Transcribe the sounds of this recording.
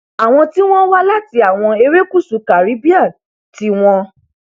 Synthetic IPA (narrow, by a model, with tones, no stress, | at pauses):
a˨w̃ɔ̃˧ti˦w̃ɔ̃˦wa˦la˦ti˧a˨w̃ɔ̃˧e˧ɾe˦ku˦˨su˨˦ka˨ɾi˨˦bi˦a˦˨ | ti˨˦w̃ɔ̃˦